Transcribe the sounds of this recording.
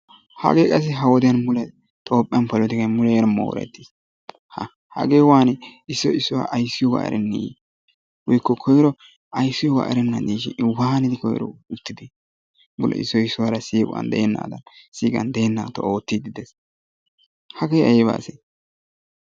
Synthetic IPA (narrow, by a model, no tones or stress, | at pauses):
hɐ̰ɡeːkʼɐs̬ːɪɦɐwɔd̪ɪjɐnmʊlɛ | t̪ʼoːpʼːɪɐnpɐlɔt̪ɪkɐmʊlɛɾɐmo̰ːɾɛ̰t̪ːɪs | hɐ | hɐ̰ɡeːwaːnɪsːɔɪsːʊwa̰ʔɐjsːɪjɔwa̰ːʔɾʔɛnːḭ | wɔjkːɔkʰɔjɾɔ | ɐjsːɪjɔwa̰ːʔɛ̰ɾɛnːɐd̪iːʃɪwaːnɪd̪ɪkɔj̰ɾɔ̰ʊt̪ːɪd̪i | mʊlʔɛ̰ʔɪ̰sːɔɪsːʊwaɾɐsiːkʼʊɐ̰nd̪ɛ̰ʔɛnːa̰ːd̪ɐnsiːkʼɐ̰nd̪ɛɛnːa̰ːt̪ːɔʔoːt̪ːɪd̪ɪd̪ɛs | hɐɡejɐjɛba̰ːse